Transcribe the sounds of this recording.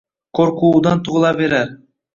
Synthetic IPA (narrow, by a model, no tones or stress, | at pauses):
qʰoɾquːd̪ɑnt̪uʁlˠɑbe̞ɾæɾ